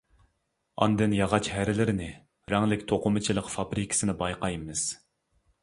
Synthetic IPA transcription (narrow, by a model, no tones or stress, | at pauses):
ɑ̰nd̪ɨnjɑʁɑt͡ʃhæɾɪlɪɾɪnɪ | ɾɛŋlɪkʲt̪ʰoqʊmɨt͡ʃʰilˠəqfɑbɾikʲʰɪ̥sɨnɨbɑjqɑjmɪz̥